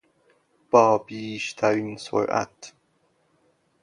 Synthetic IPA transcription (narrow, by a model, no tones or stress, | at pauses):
b̥ɒːbiːʃt̪ʰæɾiːnso̰ɾʔæ̰t̪